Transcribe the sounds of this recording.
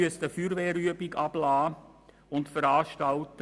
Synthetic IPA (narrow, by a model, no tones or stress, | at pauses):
yəstəfyːɾʋeːɾyəbiɡɑb̥laː | ʊntfəɾɑːʃtɑltə